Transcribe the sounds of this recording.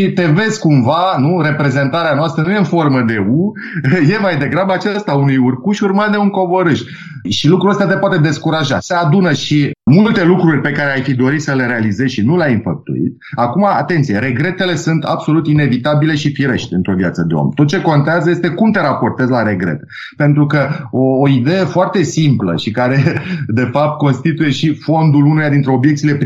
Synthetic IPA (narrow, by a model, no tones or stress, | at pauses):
it̪e̞ve̞zkumvanuɾe̞pɾe̞ze̞nt̪aɾeanoast̪ɾənujeɨnfo̞rməd̪e̞u | je̞majd̪e̞ɡɾabəat͡ʃast̪aunujurkuʃurmat̪d̪e̞uŋko̞bo̞ɾɨʃ | ʃilukɾuəst̪at̪e̞poat̪e̞d̪e̞skuɾaʒasəad̪unəʃimult̪elukɾurʲpe̞kaɾeajfid̪o̞ɾit̪ʲsəle̞ɾe̞alize̞zʃinuleajɨnfəp̚t̪ṵḭt̪ | akuma̰ːt̪e̞nt̪sije̞ɾe̞ɡɾe̞t̪e̞le̞sunt̪a̰bso̞lut̪ine̞vit̪abile̞ʃifiɾe̞ʃt̪ʲɨ̰nt̪ɾo̞vjat̪səd̪e̞o̰mt̪ot̪̚t͡ʃe̞ko̞nt̪eazəjest̪ekumt̪e̞ɾapo̞rt̪e̞zlaɾe̞ɡɾe̞̰t̪e̥ | pe̞nt̪ɾukəoːid̪e̞jefoart̪e̞simplə̰ʃikaɾe̞d̪e̞fap̚t̪̚ko̞nst̪it̪uje̞ʃifo̞nd̪ulunejad̪int̪ɾe̞o̞bjek̚t̪sile̞p